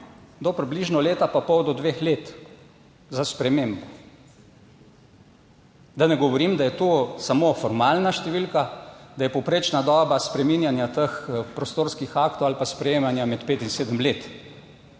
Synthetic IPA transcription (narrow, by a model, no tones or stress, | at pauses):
d̪ɔpɾibliʒnɔleːt̪apapɔwd̪ɔd̪ʋexlet̪ | zaspɾɛmeːmbɔ | d̪anɛɡɔʋɔɾimd̪ajɛt̪osamofɔɾmalnaʃt̪ɛʋilkad̪ajɛpɔwpɾeːt͡ʃnad̪ɔːbaspɾɛminjanjat̪əxpɾɔst̪oːɾskixakt̪ɔwalpaspɾɛjeːmanjamɛt̪peːt̪inseːd̪əmleːt̪